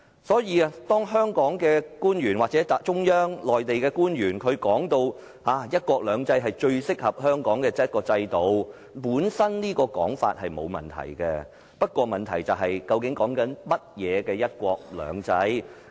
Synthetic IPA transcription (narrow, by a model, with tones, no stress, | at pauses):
sɔː˨˥jiː˧a˧t̪ɔː˥ŋɦœː˥ŋkɔː˨˥ŋkɛː˧kuː˥nɥyː˨˩nwaː˨k̚t͡sɛ˨˥ta˨t͡sʊ˥ŋjœː˥ŋlɔː˨˩jt̪e˨jkɛː˧kuː˥nɥyː˨˩nkʰɵ˨˧ɥkɔː˨˥ŋt̪o˧w | haː˨˥jɐ˥t̚kʷɔː˧k̚lœː˨˧ŋt͡sɐ˥jɦɐ˨jt͡ʃɵ˧ɥsɪ˥k̚hɐ˨p̚hœː˥ŋkɔː˨˥ŋkɛː˧t͡sɐ˥t̚kɔː˧t͡sɐ˧jt̪o˨˧w | puː˨˥nsɐ˥nniː˥kɔː˧kɔ̰ː˨˥ŋfa̰ː˧t̚hɐ˨jmo˨˧wmɐ̰˨˩nt̪ʰɐ̰˨˩jkɛ˧ | pɐ˥t̚kʷɔː˧mɐ˨nt̪ʰɐ˨˩jt͡sɐ˨˩wɦɐ˨jkɐ˧wkɪ˨˥ŋkɔː˨˥ŋkɐ˨˥nmɐ˥t̚jɛː˨˧kɛː˧jɐ˥t̚kʷɔː˧k̚lœ̰ː˨˥ŋt͡sɐ˥j